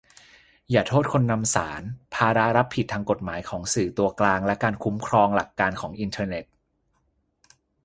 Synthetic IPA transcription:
jaː˨˩t̪ʰoː˥˩t̪̚kʰo˧nːa˧msaː˩˦npʰaː˧ɾa˦˥ɾa˦˥pʰːi˨˩t̪ʰːaː˧ŋko˨˩t̪̚maː˩˦jkʰɔː˩˦ŋsɯː˨˩t̪u˧ɐklaː˧ŋlɛ˦˥kaː˧nkʰu˦˥mkʰɾɔː˧ŋla˨˩kːaː˧nkʰɔː˩˦ŋʔi˧nt̪ʰɤː˧ne˨˩t̪̚

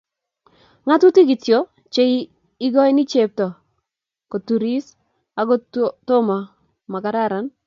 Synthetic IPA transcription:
ŋa˦tu˦ti˦ɡɪ˨tjo˦ | t͡ʃe˦i˦ | ɪ˦ɡɔ˦ɪ˦ni˦t͡ʃe˨p̚tɔ˨ | ko˨tu˨ɾi˦s | a˨ɡɔ˦tɔ˦ma˨ | ma˨ka˨ɾa˦˨ɾa˦n

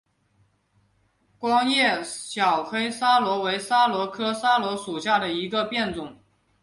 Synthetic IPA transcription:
kwɑ˥ŋjɛ˥˩ɕjɑ˨˩ʊxe˥ɪsa˥lwɔ˧˥we˧˥ɪsa˥lwɔ˧˥kʰɤ˥sa˥lwɔ˧˥ʂu˨˩ɕja˥˩d̪ə˩i˧˥ɡə˧pjɛ˥˩nt͡sʊ˨˩˦ŋ

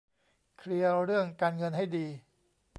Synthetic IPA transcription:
kʰɾi˧əɾɯ˥˩əŋkaː˧nŋɤ˧nha˥˩jdiː˧

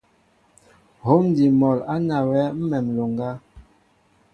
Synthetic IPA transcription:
ho˨˦mn˦di˨mɔ˨la˦na˨wɛ˨˦m̩˦mɛ˨mlo˨ŋɡa˦

